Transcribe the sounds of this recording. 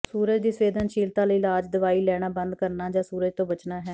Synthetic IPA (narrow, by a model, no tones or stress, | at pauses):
suːɾəd͡ʒd̪iːsʋeːd̪ənʃiːlt̪ãːləiːlaːd͡ʒd̪əʋaːiːlɛːɽ̃aːbə̃nd̪kəɾnaːd͡ʒãːsuːɾəd͡ʒt̪õːbət͡ʃnaːɦɛː